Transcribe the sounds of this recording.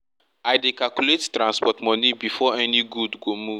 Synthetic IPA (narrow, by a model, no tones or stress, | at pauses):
aɪdekalkulettɾãnspɔtmɔnibifɔɛniɡudɡomuv